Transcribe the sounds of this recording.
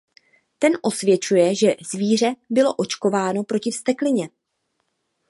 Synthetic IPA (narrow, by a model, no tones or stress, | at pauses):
t̪ɛnʔo̞svjɛt͡ʃujɛʒɛz̥viːr̝ɛbɪlo̞ʔo̞t͡ʃko̞vaːno̞pɾo̞cɪfst̪ɛklɪɲɛ